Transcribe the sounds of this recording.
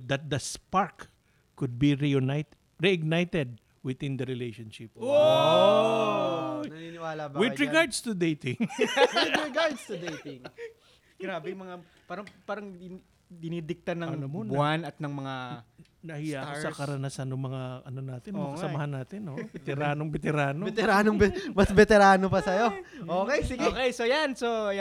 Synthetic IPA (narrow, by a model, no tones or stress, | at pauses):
d̪ɐt̪̚d̪ɐspaɹk | kːʊd̪̚biɾijʊnajt̪ | ɹiɐɡ̚najt̪ɛd̪̚ | wɪðɪ̃nd̪ɐɾɪlejʃonʃɪpo | nɐninɪwaːlɐbɐwd̪ɹɪɡaɹd̪st̪ʊd̪ejt̪ɪŋɪɾɪɡaɹd̪st̪ʊd̪ejt̪ɪŋ | ɡ̥ɾaːbɛmɐŋa | paːɾɐŋpaːɾɐŋ | d̪ɪniːd̪ɪk̚t̪anːɐŋbanɐt̪̚nɐŋmɐŋanɐhɪjaʔksɐkɐɾɐnɐsanoŋmɐŋaʔɐnonaːt̪ɪnɐkɐsɐmɐhanːaːt̪ɪnobɛt̪ɛɾaːnoŋbɛt̪ɛɾaːnoɛt̪ɛɾaːnoŋbɛmɐsbɛt̪ɛɾaːnopɐsɐjo̞ʔoːkɛjsɪɡɛkɛjsojanso